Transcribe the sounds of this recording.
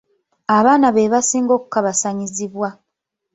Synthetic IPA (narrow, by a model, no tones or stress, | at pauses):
aβaːnaβeːβasiːŋɡo̞ːku̥kaβasaɲiziβwa